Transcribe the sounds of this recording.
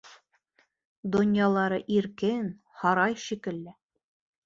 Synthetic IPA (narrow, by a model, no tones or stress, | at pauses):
d̪ŏnjɑlˠɑɾɤʔiɾkɘn | hɒɾɑjʃikɘ̆lːɘ